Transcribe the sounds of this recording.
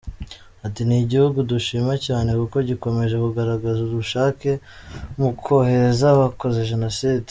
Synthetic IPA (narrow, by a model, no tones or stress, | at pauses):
hatiniɟihuɡuduʃimacaːne̞kuko̞ɟiko̞me̞ʒe̞kuɡaɾaɡazuduʃaːke̞ | mukʰo̞he̞ɾezaβako̞ze̞ʒe̞nosiːd